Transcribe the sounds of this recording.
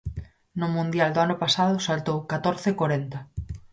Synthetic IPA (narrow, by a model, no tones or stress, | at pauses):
nʊmũnd̪jald̪oanʊpasaðʊsalt̪owkat̪oɾθekoɾent̪ɐ